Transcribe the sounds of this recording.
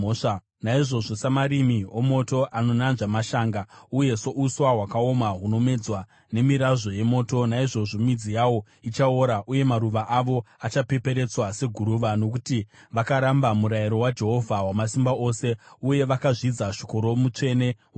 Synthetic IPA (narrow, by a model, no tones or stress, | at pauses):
ʂa | naiʐo̞ʐo̞samaɾimiomo̞to̞ʔano̞nanʐamaʃaːŋɡauje̞so̞ʔuswaɦwakao̞maɦuno̞me̞d͡zwa | ne̞miɾaʐo̞je̞mo̞ːto̞naiʐo̞ʐo̞mid͡zijawo̞ | it͡ʃaoɾaʔuje̞maɾuʋaʔaʋo̞at͡ʃape̞pe̞ɾe̞t͡swase̞ɡʱuɾuʋano̞kutiʋakaɾambamuɾajiɾo̞wad͡ʒe̞ɦo̞vʱawamasimbao̞se̞uje̞ʋakaʐid͡zaʃi̥ko̞ɾo̞mut͡ʂe̞ne̞ | w